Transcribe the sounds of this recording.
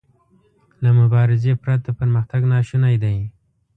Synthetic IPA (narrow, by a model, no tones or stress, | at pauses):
lamʊbɑɾɪzepɾat̪̚d̪əpəɾməxt̪aɡnɑʃunajd̪aj